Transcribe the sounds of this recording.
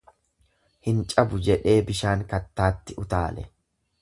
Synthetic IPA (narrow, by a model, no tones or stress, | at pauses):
hɪnt͡ʃʼɐbʊd͡ʒɛᶑe̞ːbɪʃaːŋkɐt̪ːaːt̪ːɪʊt̪aːlɛ̰